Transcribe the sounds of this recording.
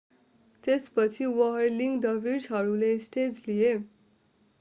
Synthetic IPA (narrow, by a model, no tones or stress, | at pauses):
t̪espʌt͡sʰiwʌɦrliŋɖʌbirsɦʌɾulesʈed͡zlije